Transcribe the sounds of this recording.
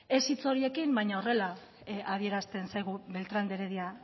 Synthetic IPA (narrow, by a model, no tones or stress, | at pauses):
e̞sit͡so̞ɾie̞kimbajɲaore̞la | að̞ie̞ɾast̪e̞nsajɣ̞uβe̞lt̪ɾand̪eɾeðia